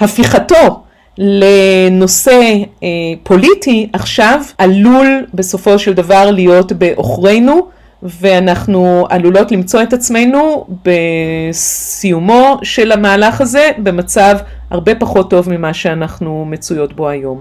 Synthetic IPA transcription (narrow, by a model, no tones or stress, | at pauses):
hafiχato̞ | le̞no̞se̞ | pʰo̞litiʔaχʃavalulbe̞so̞fo̞ʃe̞ldavaʁlijo̞tbe̞ʔo̞̰χʁe̞jnu | ve̞anaχnualulo̞tlimt͡so̞e̞tat͡sme̞jnube̞ | sijumo̞ʃe̞lamaːlaχaze̞be̞mat͡sav | ha̰ʁbe̞paχo̞tːo̞vmimaʃeanaχnume̞t͡sujo̞tbo̞ajo̞m